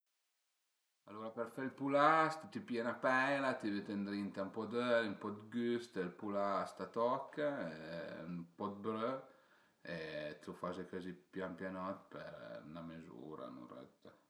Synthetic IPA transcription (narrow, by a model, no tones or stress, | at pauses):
alːoɾapeɾfelpulast̪t̪ipienapɛlat̪ivet̪end̪ɾint̪aumpɔd̪øɾimpɔd̪ɡyst̪lpulast̪at̪ɔkːa | mpɔd̪̚bɾø | et̪ufazekɔzipjampjanɔt̪pḛɾnamezṵːɾa̰nṵnrɛ̰t̪ə